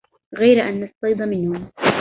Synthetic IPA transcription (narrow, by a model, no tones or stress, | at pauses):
ɣajɾaʔanːɑst̪ˤɑjd̪ˤɑmɪnhʊm